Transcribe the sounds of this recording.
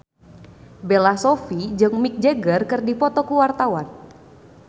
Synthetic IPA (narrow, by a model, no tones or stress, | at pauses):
belasofid͡ʒɨŋmik̚d͡ʒeɡərkɨrdipɔt̪ɔkuwart̪awan